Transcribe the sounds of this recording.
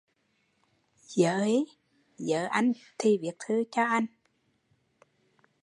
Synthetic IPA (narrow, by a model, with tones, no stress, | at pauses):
zəː˧˨˦i˨˦ | zə̰ː˧˨ʔa˧jŋ̟t̪ʰi˨˩vi˨˩ək̚t̪ʰɨ˨˦t͡ɕɔ˧ʔa˧jŋ̟